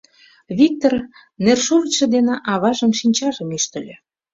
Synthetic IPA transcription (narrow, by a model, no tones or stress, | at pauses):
βʲik̚t̪or | nerʃuɾət͡ɕĕd̪eneʔɑβɑʒə̆nʃinʲt͡ɕɑʒə̆myʃt̪ə̆lʲĕ